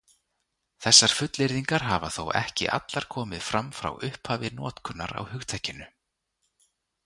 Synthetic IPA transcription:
θɛsːaɾ̥fʏt̪lɪɾðiŋkaɾ̥ɦavaθowɛ̰hcɪ̰ʔa̰t̪laɾ̥kʰɔːmɪðfɾamfɾa̰wʏhphaːvɪnɔːt̪kʰʏnːaɾa̰whʏxt̪ʰajcːɪnʏ

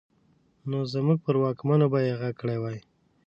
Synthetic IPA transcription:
nozəmuɡ̚pəɾwɑkmanobajeɣakəɽewɑj

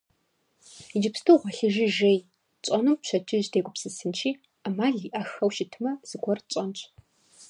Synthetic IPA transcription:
id͡ʒɪpstʰɨʁʷɔɬɨʒiʒej | t͡ɕʼɐnɨmpɕʰɐd͡ʒɪʑdeːɡʷʊpsɨsɨnt͡ʃʰiː | amaːɮiʔɐxɐwʃɪtʰɨmɐz̥ɨɡʷɔrt͡ɕʼɐnt͡ɕʷʰʼ

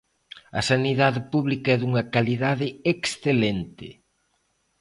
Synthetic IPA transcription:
ɐ̰saniðaðɪpuβlikɐɛðuŋɐkaliðaðɪeksθelɛnt̪ɪ̰

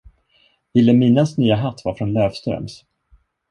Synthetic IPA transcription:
ɪlːɛmiːnasnyːaɦat̪ːvaɾfɾɔnløːvst̪ɾœ̰ms

